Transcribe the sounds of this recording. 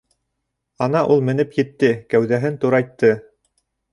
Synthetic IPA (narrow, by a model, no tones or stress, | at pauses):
ɑnɑʔulˠmɘ̆nɘpjɘ̆t̪ːɘkæwðæɦɘnt̪uɾɑjt̪ːɤ